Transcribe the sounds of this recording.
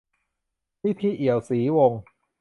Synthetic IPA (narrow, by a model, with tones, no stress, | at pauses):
piː˥˩t̪ʰiː˧˩ʔi˨˩əwsiː˩˦wo˧ŋ